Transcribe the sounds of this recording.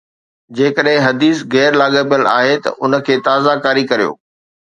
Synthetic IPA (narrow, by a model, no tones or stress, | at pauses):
d͡ʑeːkəɗɦɪ̃ɦɐd̪iːsɣɛːɾlaːɠəpjəla̰ːɦet̪ɐ̰ʔʊnə̆kʰeːt̪aːzakaːɾikɐɾijo̰ː